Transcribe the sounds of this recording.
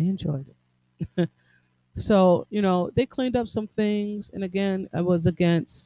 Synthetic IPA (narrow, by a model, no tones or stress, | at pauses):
ɪɨ̃nd͡ʒɔɪɾɨt̚ | soʊjɨñoʊðeɪkʰl̥ĩndʌpsʌ̃mθɪ̃ŋz̥ɨ̰̃nɨɡɛ̃na̰ɪwʌzɨɡɛ̃ns